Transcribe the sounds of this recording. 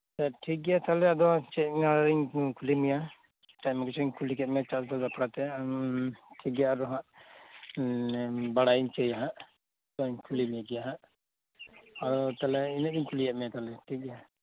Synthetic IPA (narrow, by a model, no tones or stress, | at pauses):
sɛʈʰik̚ɡɛjat̪alɛad̪ɔt͡ʃɛt̚aɽaɾiɲkʰulimija | ʈajmaɡɛt͡ʃʰɔɲkʰulikɛt̪̚mɛt͡ʃasbalbapɽat̪ɛ | ʈʰiɡjaɾɔɦãʔ | baɽaiɲt͡ʃɛjaɦaʔ | t̪ɔiɲkʰulimijaɡɛjaɦaʔ | ad̪ɔt̪alɛinɛɾiɲkʰuliɛʔ̚mɛjat̪alɛʈʰik̚ɡɛja